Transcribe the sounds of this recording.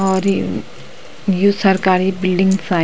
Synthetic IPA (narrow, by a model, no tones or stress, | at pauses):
ɔːɾ | jusɐɾkaːɾibɪlɖɪ̃ŋɡsaː